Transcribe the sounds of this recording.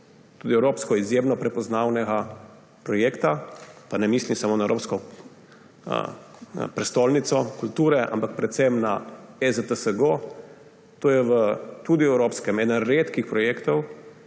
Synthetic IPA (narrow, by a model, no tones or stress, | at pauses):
t̪uːd̪iɛwɾoːpskɔizjeːmnɔpɾɛpɔznaːwnɛɡa | pɾɔjeːkt̪apanɛmiːslimsamoːnaɛwɾoːpskɔ | pɾɛst̪oːlnit̪sɔkult̪uːɾɛʔa̰mpak̚pɾɛt̪semnaɛzət̪əsəɡo | t̪oːjɛʋət̪ud̪iɛwɾoːpskɛmɛːd̪ənɾeːt̪kixpɾɔjeːkt̪ɔw